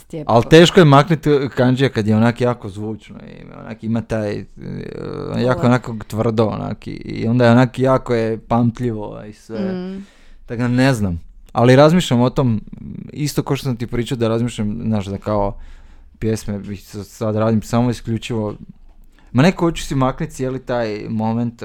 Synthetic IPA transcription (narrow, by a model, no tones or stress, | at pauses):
alt̪eːʃkojemaknit̪kand͡ʒijakad̪jeonakjaːkozʋuːt͡ʃno̰ḭm̰ona̰ːkimat̪aːj | jaːkoenakoɡt̪ʋr̩d̪oo̰na̰kḭḭo̞nd̪ajeonaːkjaːkojepamt̪ʎiʋo̰isʋe | t̪aɡaneznam | aliɾazmiːʃʎʲamo̞t̪omist̪o̞kaoʃt̪os̬amt̪ipɾiːt͡ʃaod̪aɾazmiːʃʎʲamznaːʃd̪akao | pjesmemissad̪ɾaːd̪imsamoiskʎʲut͡ʃiʋo̞ | manekoot͡ʃu̥simaknit̪sjelit̪aːjmo̞ment̪